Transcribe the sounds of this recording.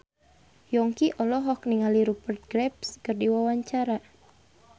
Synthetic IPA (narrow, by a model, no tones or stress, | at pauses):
jɔŋkiʔɔlɔɦɔkniŋaliɾupərt̪̚ɡɾɛp̚skɨrdiwawaɲt͡ʃaɾa